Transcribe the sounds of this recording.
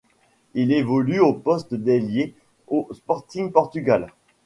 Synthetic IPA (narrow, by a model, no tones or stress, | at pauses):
ilevɔlyopɔst̪d̪elje | ospɔʁt̪iŋpɔʁt̪yɡal